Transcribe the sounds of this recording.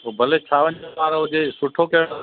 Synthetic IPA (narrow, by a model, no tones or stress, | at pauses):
obʱɐlet͡ɕʰaːʋəɲʋaːɾɦʊd͡ʑesʊʈʰokɐjɽ